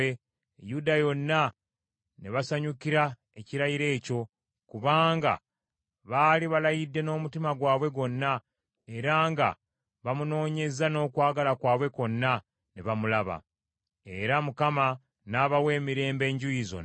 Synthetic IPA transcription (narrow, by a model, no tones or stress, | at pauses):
e | judajo̞nːa | neβasaɲukiɾa | e̞ciɾajiɾe̞ːco̞ | kuβaːŋɡa̰ | βaːliβalajidːe̞no̞ːmutimaɡwaːβwe̞ɡo̞nːa | e̞ɾaːŋɡa̰ | βamuno̞ːɲe̞zano̞ːkwaːɡalakwaːβwe̞ko̞nːa | neβamulaβa̰ | e̞ɾamukama | naːβawe̞ːmiɾe̞ːmbe̞ːɲɟujizo̞̰n